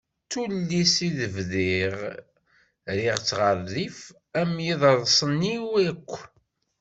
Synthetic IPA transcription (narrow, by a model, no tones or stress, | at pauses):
t͡sulːisiðəvðiʁ | ɾɪʁt͡sːʁəɾːif | æmjiðˤəɾˤðˤsˤənːiwækʷː